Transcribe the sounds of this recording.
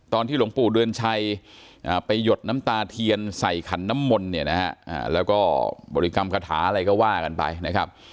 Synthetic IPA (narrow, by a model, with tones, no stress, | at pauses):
t̪ɔː˧nt̪ʰiː˥˩u˩˦ŋpuː˨˩dɯ˧ənt͡ɕʰa˧jʔaː˨˩pa˧jːo˨˩t̪̚na˦˥mt̪aː˧t̪ʰi˧ənsa˨˩jkʰa˩˦nːa˦˥mːo˧nːi˦˥˩ɐna˦˥ha˦˥ʔa̰ː˨˩lɛː˦˥wkɔː˥˩bɔ̰˨˩ɾi˦˥ka˧mkʰa˧t̪ʰaː˩˦ʔa˧ɾa˧jkɔː˥˩waː˥˩ka˧npa̰˧jna˦˥kʰa˦˥p̚